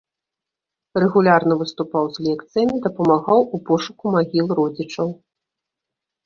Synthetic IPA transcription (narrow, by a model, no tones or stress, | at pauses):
rɛɣulʲarnɐvɨst̪upawzlʲɛkt̪sɨjɐmʲid̪ɐpɐmaɣawupɔʂukumaɣʲilˠrɔd͡zʲit͡ʂɐw